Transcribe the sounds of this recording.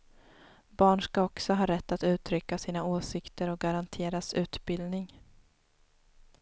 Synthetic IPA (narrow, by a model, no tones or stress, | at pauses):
bɑːɳʂkaɔksɔɦɑːɾɛt̪ːat̪ʉ̟ːt̪ʰɾʏkːasiːnaoːsɪkt̪əɾɔk̚ɡaɾant̪ʰeːɾasʉ̟ːt̪bɪld̪nɪŋ